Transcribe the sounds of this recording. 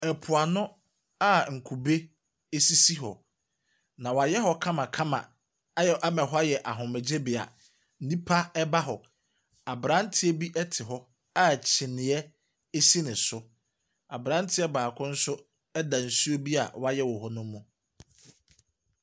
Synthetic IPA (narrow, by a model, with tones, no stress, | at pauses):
ɛ˨pʰʊ˨a˨nʊ̃˦ | a˦˨ŋ̩˨kʰu˨be˦ | e˦si˦si˦ɦɔ˨ | nã˨wa˨jɛ˦ɦɔ˦kʰã˦mã˨kʰã˦mã̰˨˦˨ | ʔa˦mɛ̃˨ɦɔ˦a˦jɛ˨ʔa˨ɦʊ̃˨mɛ˨d͡ʑe˦bɪ˨a̰˨ | n̩˦nĩ˦pʰa˦ɛ˦ba˦ɦɔ˨ | a˨bɾã˦n̩˦tʰɪ˦e˦bi˦ʔɛ˦tʰɪ˨ɦɔ˦ | a˦˨t͡ɕʰɪ˨nɪ̃˨ɛ˦ | e˦si˦nɪ̃˨sʊ˦ | a̰˨bɾã˦n̩˦tʰɪ˦ɛ˦baː˨kʰʊ̃˦n̩˦sʊ˦ | ɛ˦dã˨n̩˨su˦o˦bi˦a̰˨wa˦jɛ˦wɔ˨ɦɔ˦nʊ̃˦mũ˦